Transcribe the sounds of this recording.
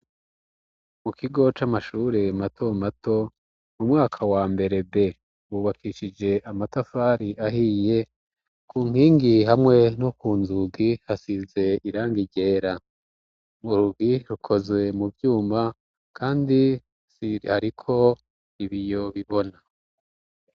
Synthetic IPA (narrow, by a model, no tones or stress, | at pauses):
mukiɡo̞t͡ʃamaʃuːɾematʰo̞mato̞ | mumŋaːkʰawaːmbe̞ɾe̞be̞ | wuːβakʰiʃid͡ʒe̞ʔamatafaːɾiʔaɦije̞ | kuːŋ̥hiːŋɡihamŋe̞nokuːnzuɡihasize̞iɾaːŋɡiɟe̞ːɾa | muɾuɡiɾukʰo̞zwe̞muvjuːma | kʰaːndi | sihaɾikʰo̞ | iβijo̞βiβo̞na